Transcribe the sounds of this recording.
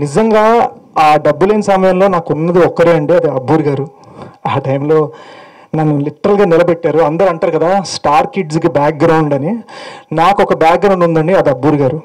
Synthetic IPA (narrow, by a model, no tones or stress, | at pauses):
nid͡ʒɐŋɡaː | aːɖɐbːulɐnɐsɐmɐjɐmlo̞ːnaːkunːɐd̪iɔkːɐɾiːɐɳɖiɐd̪iɐbːuːɾɡaːɾu | aːʈɐjmlo̞ː | nɐnːuliʈːɐɾɐlɡaːnilɐbɛʈːaːɾuɐnd̪ɐɾɐɳʈaːɾukɐd̪aːsʈaːɾkiɖskibaːk̚ɡɾɐwɳɖɐninaːkuɔkɐbjaːk̚ɡɾɐwɳɖund̪ɐɳɖiɐd̪iɐbːuːɾiɡaːɾu